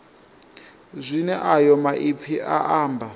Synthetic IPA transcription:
zʷinɛʔajɔmaʔip̪fʰiʔaʔaːmbʱa

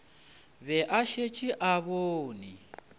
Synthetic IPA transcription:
βɛʔaʃet͡ʃʼiʔaβoːni

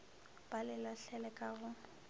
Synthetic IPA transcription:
b̥alɪlaɬɛlɛkʼaɣʊ

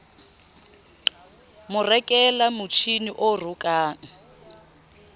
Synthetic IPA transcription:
mʊrɛkʼɛlamut͡ʃʰiniʔorukʼaːŋ̩

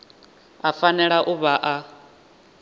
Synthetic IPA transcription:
afanɛɺaʔuβaʔa

